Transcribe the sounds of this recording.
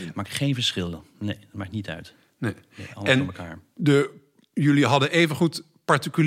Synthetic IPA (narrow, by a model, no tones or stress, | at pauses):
maːkχejnvəɹsχɪlˠənejtmaːknitœ̰ɥt | nej | eɑ̰ləɛnməka̰ːɹdə | jɵliɦɑdənʔejvənχut | pɑɹtikyl